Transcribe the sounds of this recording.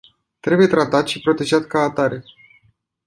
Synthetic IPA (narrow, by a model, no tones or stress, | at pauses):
t̪ɾe̞buje̞t̪ɾat̪at̪ʃipɾo̞t̪e̞ʒat̪kaːt̪aɾe